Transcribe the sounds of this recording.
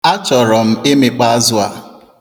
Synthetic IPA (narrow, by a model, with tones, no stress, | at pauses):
a˦t͡ʃɔ˨ɾɔ˨m̩˦e˦me˨k͡pa˦a˦zʊ˦a̰˨